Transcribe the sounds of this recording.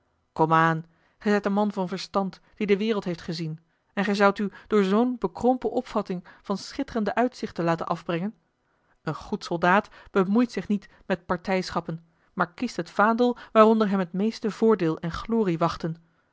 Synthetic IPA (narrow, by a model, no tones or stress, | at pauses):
kɔmaːn | χɛjzɛjtənmɑnvɑnvəɹstɑnt | d̥idəʋɪːrəlˠtɦejftχəzin | ɛnχɛjzʌwtyd̥ʊːɹzownbəkrɔmpəʔɔpfɑtɪŋv̥ɑnsχɪtərəndəʔœɥtsɪχtənlaːtə̰nʔɑvbrɛŋən | ənχutsɔlˠdaːtb̥əmujtsɪχnit | mɛt̚pɑɹtɛjsχɑpən | maːɹkistɦətfaːndəlˠʋaːrɔndəɹɦɛmɦətmejstəvʊːɹdɪːlˠɛnχloːriʋɑχtən